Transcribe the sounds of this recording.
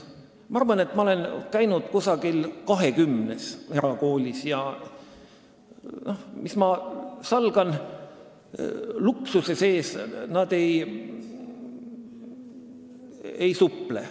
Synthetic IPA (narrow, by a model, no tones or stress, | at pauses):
mɑɑrvɑne̞t̪ːˑmɑole̞nkæjnud̪̥kusɑɡ̥ilkɑɦe̞kymne̞se̞ɾɑko̞ːlʲisjɑ | no̞mismɑsɑlɡ̥ɑn | luksuse̞se̞ːsnɑd̪̥e̞j | ejsupːˑle